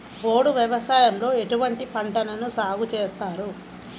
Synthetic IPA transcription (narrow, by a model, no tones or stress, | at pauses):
bo̞ːɽuʋjɐʋɐsaːjɐmlo̞ːe̞ʈuʋɐɳʈipɐɳʈɐnɐnusaːɡut͡ʃeːst̪aːɾu